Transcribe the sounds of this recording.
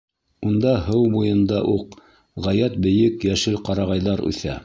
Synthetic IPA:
und̪ɑɦɤwbujɤ̆nd̪ɑʔuq | ʁɑjæt̪̚bɘ̆jɘkjæʃɘlqɑɾɑʁɑjðɑɾʉ̰θæ̰

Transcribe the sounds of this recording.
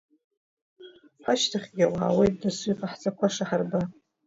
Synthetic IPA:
ħaʃtʰaχʲɡʲawa̰ːwejtʼdasujqʼaħt͡sʼakʷʰaʂaħarba

